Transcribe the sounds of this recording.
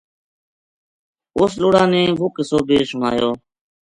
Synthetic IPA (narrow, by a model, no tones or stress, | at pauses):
ʊːsloːɽãːnẽːʋʊkəsoːbeːsʊɳa̰ːjoː